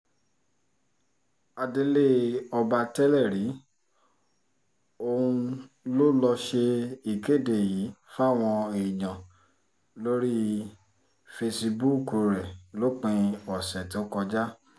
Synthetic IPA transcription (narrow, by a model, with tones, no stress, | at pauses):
a˧de˧le˦ɔ˧ba˧tɛ˦lɛ˦˨ɾi˨˦ | o˧ũ˧ | lo˦lɔ˧ʃe˧i˨ke˦˨de˨ji˨˦fa˦˨w̃ɔ̃˧e˨i˨ɲã˨ | lo˦ɾi˦ | fe˧si˧bu˦ko˧˨ɾɛ˨lo˦k͡pĩ˧ɔ˨sɛ˨to˨˦kɔ˧d͡ʒa˦